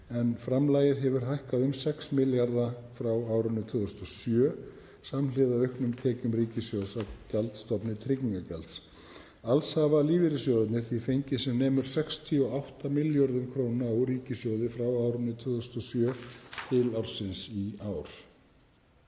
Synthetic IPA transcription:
ɛnfɾamlajɪðɦɛvʏɾ̥ɦajhkaðʏmsɛksmɪljaɾðafɾawaːwɾʏnʏt̪ʰʏːðʏst̪ɔsjœː | samlɪðaœɥhknʏmt̪ʰɛːcʏmɾiːcɪsjowsacɛlt̪st̪ɔpnɪt̪ʰɾɪcɲiŋkacɛlt̪s | alshavaliːvɪɾɪsjowðɪt̪nɪɾ̥θifejɲcɪsɛmnɛːmʏɾ̥sɛkst̪ʰiɔawht̪amɪljɔɾðʏmkʰɾoːwnaawɾiːcɪsjowðɪfɾawawɾʏnɪt̪ʰʏðʏst̪ɔsjœːt̪ʰɪlawɾ̥sɪnsiaːwɾ̥

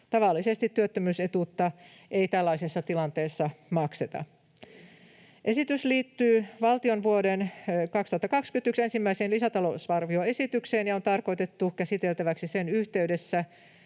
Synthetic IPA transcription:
t̪ɑʋɑlːisest̪it̪ːyøt̪ːømyːset̪ut̪ːɑ | ʔeit̪ælːɑisesːɑt̪ilɑnt̪eːsːɑmɑkset̪ɑ̰ | ʔe̞sit̪ysliːt̪ːyːʋɑlt̪ionʋuodenkɑkst̪ŭhɑt̪ːɑkɑkskynt̪yksensimːæiseːnlisæt̪ɑlosɑrʋioesit̪ykseːnjɑont̪ɑrkoit̪et̪ːukæsit̪elt̪æʋæksisenyht̪eydesːæ

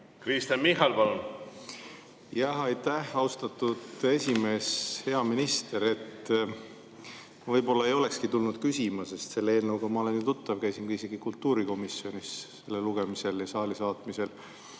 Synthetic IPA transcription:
kɾist̪ɑnmiɦɑlpɑlun | jɑhɑjt̪ːæhɑust̪ɑt̪ːˑud̪̥e̞sʲime̞ːshe̞ɑminist̪e̞ɾe̞t̪ː | vɤjbo̞lːɑe̞jo̞le̞kskit̪ulnud̪̥kysʲimɑse̞st̪se̞lːee̞ːlnɤwɡɑmɑo̞le̞nːit̪ut̪ːɑvkæjsinkuiise̞ɡ̥ikult̪ːˑuːɾiko̞misjo̞nisse̞lːeluɡ̥e̞mise̞ljɑsɑːlisɑːt̪mise̞l

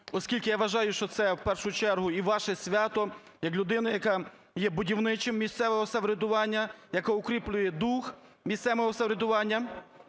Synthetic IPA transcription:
ɔskʲilʲkɪjɑʋɐʒɑjʊʃt͡ʃɔt̪sɛwpɛrʃʊt͡ʃɛrɦʊiʋɑʃɛsʲʋʲɑt̪ɔ | jɐklʲʊd̪ɪnɐjɐkɑ | jɛbʊdʲiwnɪt͡ʃɪmːʲist̪sɛʋɔɦɔsɐʋɾʲed̪ʊʋɑnʲːɐjɐkɔʊkɾʲiplʲʊjɛd̪ux | mʲist̪sɛʋɔɦɔsɐʋɾʲed̪ʊʋɑnʲːɐ

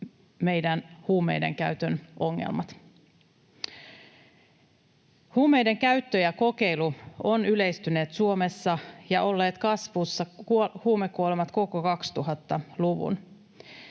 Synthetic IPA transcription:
me̞jdænhuːmḛjde̞̰ŋkæ̰yt̪ønʔo̞ŋːḛlmɑt̪ | huːmejde̞ŋkæɥt̪ːøjɑko̞ke̞jluonyle̞jst̪yne̞ːt̪suo̞mesːɑjɑʔo̞lːeːt̪kɑsʋusːɑkuhuːmekːuolemɑt̪ko̞kokɑkst̪uɦɑt̪ːɑluʋṵn

